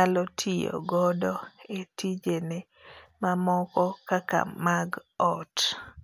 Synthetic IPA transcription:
alɔtʰijo̰ɡɔdɔetʰid͡ʒene | mamɔkɔkaka̰maɡɔt

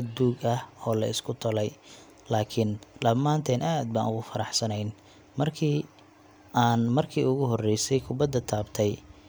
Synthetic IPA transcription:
ɐd̪uːɡɐhɔːlɐɪskʰʊt̪ʰɐlɛj | laːkʰɪnɗɐmːaːnt̪ʰɛːnʔaːd̪̚ba̰ːnʊɣʊfɐɾɑħsɐnɛjn | mɐrkʰiː | ʔaːnmɐrkʰiːʊɣʊɦɔrɛjsɛjkʰʊbɐd̪ːɐt̪ʰaːbt̪ʰɛj

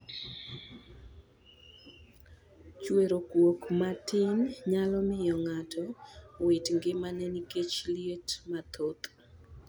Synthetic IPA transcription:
t͡ʃweɾokwokmatɪnɲalɔmɪjɔŋatʰɔwetŋɡɪmanɛniket͡ʃlietmat̪ʰot̪

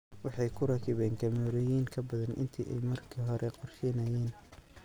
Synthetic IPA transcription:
wɑħɑjkʰʊɾɐkʰɪβɛːŋkʰɐmɔːɾɛjiːŋkʰɐbɐðɐnʔɪ̰nt̪ʰḭːʔɛ̰jmɐrkʰiːɦɔɾʔɛqɔrʃɛnɐjɛːn

